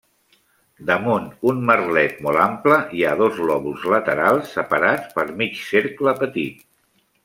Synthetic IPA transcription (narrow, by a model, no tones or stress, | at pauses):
d̪əmunt̪unmərlɛt̪̚mɔlˠampləiaðozɣlɔβuzlət̪əɾalˠsːəpəɾatt͡sspəɾmit͡ʃseɾkləpət̪it̪